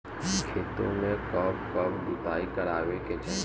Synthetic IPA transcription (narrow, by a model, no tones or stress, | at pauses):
kʰeːt̪õmẽkɐbkɐbbʊt̪aːikɐɾaːʋeket͡ʃə̃